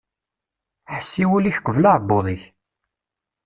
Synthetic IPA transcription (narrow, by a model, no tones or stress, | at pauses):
ħəsːiwuliçqəvlaʕbːoðˤiç